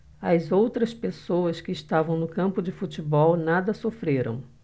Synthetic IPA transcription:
ɐzowt̪ɾɐspesowɐskɪːst̪avɐ̃w̃nʊkɐ̃mpʊd͡ʒɪfut͡ʃibɔwnad̪ɐsofɾeɾɐ̰̃w̃

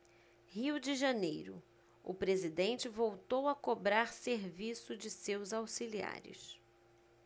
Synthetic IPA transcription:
hiwd͡ʒɪʒɐnejɾʊ̰ | ʊpɾezid̪ẽnt͡ʃɪvowt̪owɐkobɾaɾseɾvisʊd͡ʒɪsewzawsilia̰ɾɪ̰s

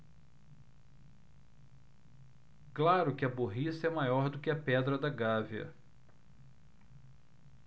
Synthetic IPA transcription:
klaɾʊkɪɐboɦisɐɛmajɔɾd̪ʊkɪɐpɛd̪ɾɐd̪ɐɡaviɐ̰

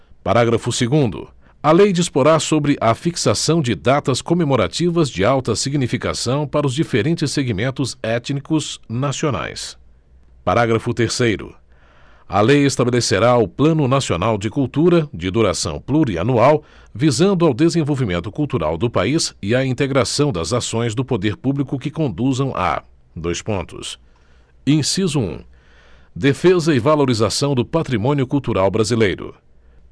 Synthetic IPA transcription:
paɾaɡɾɐfʊseɡũnd̪ʊ̰ | ɐlejd͡ʒispoɾasobɾɪʔɐfiksasɐ̃w̃d͡ʒɪd̪at̪ɐskomemoɾa̰t͡ʃivɐzd͡ʒɪawt̪ɐsiɡnifika̰sɐ̃w̃paɾɐʊzd͡ʒifeɾẽnt͡ʃɪseɡimẽnt̪ʊzɛt͡ʃnikʊznasiona̰js | paɾaɡɾɐfʊt̪eɾsejɾʊ̰ | ɐ̰lejest̪abeleseɾaʊplɐ̃nʊnasionawd͡ʒɪkuwt̪uɾɐd͡ʒɪd̪uɾasɐ̰̃w̃pluɾia̰nuaw | vizɐ̃nd̪ʊawd̪ezẽvowvimẽnt̪ʊkuwt̪uɾa̰wd̪ʊpaisɪɐĩt̪eɡɾasɐ̃w̃d̪ɐzasõj̃zd̪ʊpod̪eɾpublikʊkɪkõnd̪uzɐ̃w̃ʔa̰ | d̪ojspõnt̪ʊ̰s | ẽsizʊṵ̃ | d̪efezɐɪvaloɾizasɐ̃w̃d̪ʊpat̪ɾimõnjʊkuwt̪uɾawbɾazilejɾʊ̰

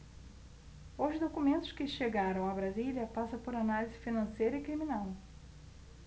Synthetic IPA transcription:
oʒɪd̪okumẽnt̪ʊ̥skɪʃeɡaɾɐ̃w̃abɾaziliɐpasɐpoɾanalizɪfinɐ̃sejɾɐɪkɾiminaw

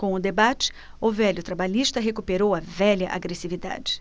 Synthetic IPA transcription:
kõʊd̪ebat͡ʃɪ̥ | ʊvɛlʲʊt̪ɾabaʎiʃt̪ɐɦekupeɾowɐvɛʎlɐʔa̰ɡɾesivid̪a̰d͡ʒɪ̥

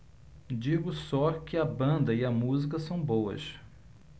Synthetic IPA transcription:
d͡ʒiɡʊsɔkɪɐbɐ̃nd̪ɐɪɐmuzikɐsɐ̃w̃bowɐ̰ʃ

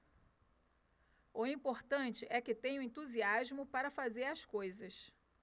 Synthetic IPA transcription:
ʊĩpoɾt̪ɐ̃t͡ʃɪʔɛkɪt̪ẽɲʊ̃ẽnt̪uziaʒmʊpaɾɐfazeɾɐskojzɐs

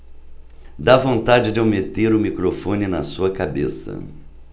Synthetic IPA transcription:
d̪avõnt̪ad͡ʒɪd͡ʒɪomet̪eɾʊmikɾofõnɪnɐsuɐkabḛsɐ̰

